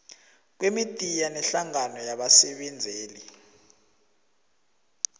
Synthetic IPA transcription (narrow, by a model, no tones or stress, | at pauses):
k̬wemitʼijanɛɬaŋanɔjaɓasɛɓɛnd͡zʱeːli